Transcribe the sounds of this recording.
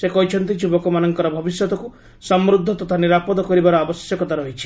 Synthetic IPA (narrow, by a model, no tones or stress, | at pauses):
sekɔɦit͡ʃʰɔnt̪id͡ʒibɔkɔmanɔŋkɔɾɔbʱɔbisjɔt̪ɔku | sɔmɾud̪ʱːɔt̪ɔt̪ʰaniɾapɔd̪ɔkɔɾibaɾɔabɔsjɔkɔt̪aɾɔɦit͡ʃʰi̥